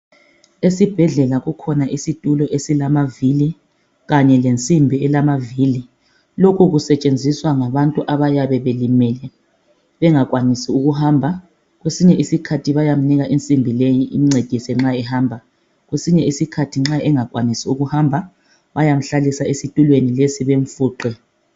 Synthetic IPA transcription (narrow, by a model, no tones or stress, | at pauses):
esib̥ʱɛɮɛlaɣukʰɔnaʔisitʼulɔʔesilamavili | ɣaɲɛlent͡sʼimbʱiɛlamavili | lokʰuɣusɛt͡ʃʼend͡zʱiswaŋaβantʼuʔaβajaβɛβelimɛlɛ | βɛŋakʼwanisiuɣuhaːmbʱa | ɣwesiɲɛʔisikʰatʰiβajam̩niɣaʔint͡sʼimbʱilejiʔḭmiŋ͡ǀed̥ʱisɛŋ͡ǁaɛhaːmbʱa | ɣwesiɲɛisikʰatʰiŋ͡ǁaʔɛŋak̬ʼwanisiuɣuhambʱa | βajam̩ɬalisaesitʼulwenilesiβeɱfuːǃɛ